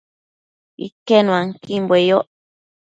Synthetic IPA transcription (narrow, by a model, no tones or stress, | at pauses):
ḭkenũãŋkimbwejoʔ